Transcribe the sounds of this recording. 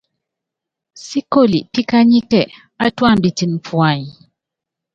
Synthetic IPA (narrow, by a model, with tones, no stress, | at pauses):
si˦ko˦˨lḭ˨pi˦ka˦ɲi˦kɛ˦˨ | a˦twa˦˨m̩˨bi˨ti˨n˨p͡fwa˨ɲi˨